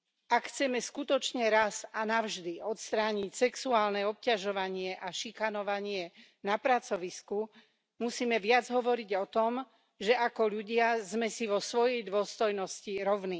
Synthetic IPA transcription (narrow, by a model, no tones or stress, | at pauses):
akxt͡sɛmɛskut̪ɔt͡ʃɲɛɾasanaʊʒd̪iɔt̪st̪ɾaːɲicsɛksuaːlnɛɔp̚caʒɔʋaɲɪɛʔaʃikanɔʋaɲɪɛ | napɾat͡sɔʋisku | musiːmɛʋɪad͡zɦɔʋɔɾiɟɔt̪ɔm | ʒɛʔakɔʎuɟɪazmɛsiʋɔsʋɔjɛjd̪ʋʊɔst̪ɔjnɔsciɾɔʊni